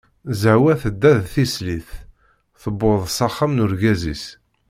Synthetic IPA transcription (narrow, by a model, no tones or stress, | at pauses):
zəʕwæθəd̪ːæðθisliθ | θəbːoðˤsɑχːamnuɾɡæzḭs